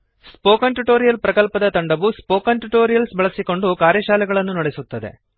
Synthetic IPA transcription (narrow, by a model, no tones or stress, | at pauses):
spoːkɐnʈuʈo̞ːɾijɐlpɾɐkɐlpɐd̪ɐt̪ɐɳɖɐʋuspoːkɐɳʈuʈoːɾijɐlsbɐɭɐsiko̞ɳɖukaːɾjɐʃaːlɛɡɐɭɐnːunɐɽesut̪ːɐd̪e̞̰